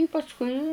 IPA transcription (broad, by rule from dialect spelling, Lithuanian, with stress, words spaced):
ɪ pɐsˈkʊɪ